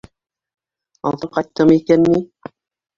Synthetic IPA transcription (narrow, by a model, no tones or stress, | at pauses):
ɑ̰lˠt̪ɤqɑjt̪ːɤmikænːi